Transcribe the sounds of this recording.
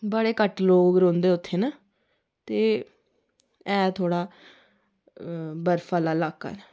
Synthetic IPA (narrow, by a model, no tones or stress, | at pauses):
bəɽeːkəʈloːkɡɾõːnd̪eːʊt̪ʰːeːnaː | t̪eː | ɛːt̪ʰoːɽaː | bəɾfʰaːlaːlaːka̰ːnː